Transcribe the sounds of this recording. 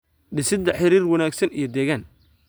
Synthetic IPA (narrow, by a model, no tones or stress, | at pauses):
ɖɪsɪd̪ɐħɪɾiːrwɐnaːɡsɐnḭjɞd̪ɛːɣaːn